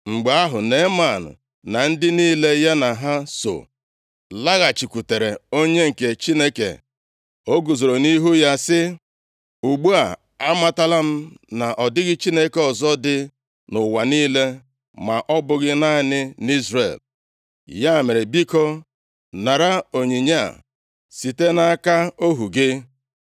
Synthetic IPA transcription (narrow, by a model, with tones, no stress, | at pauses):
ŋ͡m̩˨ɡ͡be˨˦a˦ɦʊ˨ne˨˦ma˨nʊ̰˨ | na˨n̩˦dɪ˦niː˦le˦ja˦na˨ɦa˦so̰˨ | la˦ɣa˨t͡ʃi˨kʷu˨te˨ɾe˨o˦ɲe˦ŋ̩˨ke˨t͡ʃi˦ne˦kḛ˨ | o˦ɡu˨zo˨ɾo˨ni˦ɦu˦ja˦sɪ˦ | u˨ɡ͡bu˦a˨ | a˦ma˦ta˦la˦m̩˦na˨ʔɔ˨dɪ˦ɡɪ˦t͡ʃi˦ne˦ke˨ɔ˨zɔ˦dɪ˦ | nʊ˨wa˨niː˦le˦ | ma˨ʔɔ˦bʊ˦ɣɪ˦na˦nɪ˦ni˦zɾḛ˨l | ja˦˨me˨ɾe˨bi˦ko˦ | na˨ɾa˦o˨ɲi˨ɲa̰˦˨ | si˨te˦na˦a˦ka˦o˦ɦu˨ɡɪ˦